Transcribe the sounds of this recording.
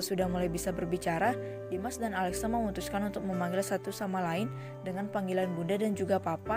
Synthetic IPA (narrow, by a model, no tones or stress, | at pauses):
sudahmulajbisabərbit͡ʃaɾa | dimasdanalɛksaməmut̪uskanunt̪ʊk̚məmaŋɡɪlsat̪usamalaɪn | dəŋanpaŋɡilanbundadand͡ʒuɡapapa